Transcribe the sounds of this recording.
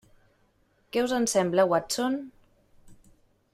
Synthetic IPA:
kɛwzənsɛmbləwat͡son

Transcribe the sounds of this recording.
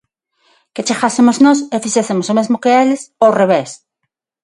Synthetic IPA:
ket͡ʃexasemoznosefisesemosomezmokeelesowreβes

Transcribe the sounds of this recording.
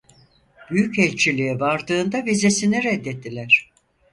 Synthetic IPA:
b̥yjycɛlʲt͡ʃʰilʲiɛvaɾd̪ɯːnd̪avizesiniɾɛd̪ːet̪ʰːilʲæɾ̝̥

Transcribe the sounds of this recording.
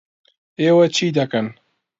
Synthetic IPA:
eːwɐt͡ʃʰiːd̪ɐkɐn

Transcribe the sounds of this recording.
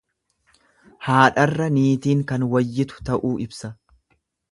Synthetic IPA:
haːᶑɐrːɐniːt̪iːŋkɐnwɐjːɪt̪ʊ̥t̪ɐʔuːɪbsɐ

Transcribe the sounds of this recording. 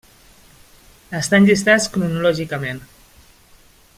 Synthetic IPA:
əst̪anʎist̪at͡skɾunulɔʒikəmen

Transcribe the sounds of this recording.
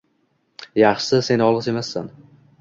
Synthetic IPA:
jɑχʃɪse̞nɒlˠɨse̞masːan

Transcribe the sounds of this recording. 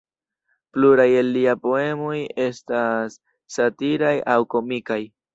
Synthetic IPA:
pluɾajelːiapo̞e̞mo̞je̞stasː | atiɾajawko̞mikaj

